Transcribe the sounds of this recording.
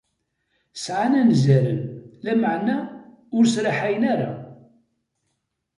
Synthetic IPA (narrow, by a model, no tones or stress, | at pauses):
sʕanænzæɾə̰nlæməʕnæ | ʊɾsɾaħajənæɾa̰